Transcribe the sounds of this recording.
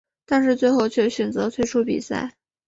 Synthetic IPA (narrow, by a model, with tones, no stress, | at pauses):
t̪a˥˧nʂ̬ɻ̩˥˧t͡swe˥˧ɪxo˥˧ʊt͡ɕʰɥɛ˥˩ɕɥɛ˨˩nt͡sɤ˧˥t̪ʰwe˥˧ɪʈ͡ʂʰu˥pḭ˨˩sa̰˥˩ɪ